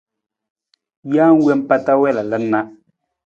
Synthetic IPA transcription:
jaː˦ŋ˦we˦m˦pa˦ta˦wɛ˦˨la˨lə˦na˦

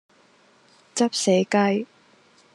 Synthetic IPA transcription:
t͡sɐ˥p̚sɛː˨˥jkɐ˥j

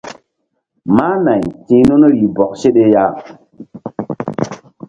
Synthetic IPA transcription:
ma˦na˨jtĩ˦no˦no˦li˨bɔ˨k̚se˦ɗe˦ja˦

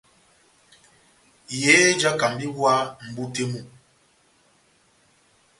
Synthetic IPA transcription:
jeː˨˦d͡ʒa˦ka˨mbi˦wa˦m̩˨bu˦te˦mu˦˨

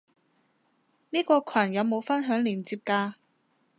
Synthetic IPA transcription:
niː˥kɔː˧kʰɐ˨˩njɐ˨˧wmo˨˧wfɐ˥nɦœː˨˥ŋliː˨˩nt͡siː˧p̚kaː˧

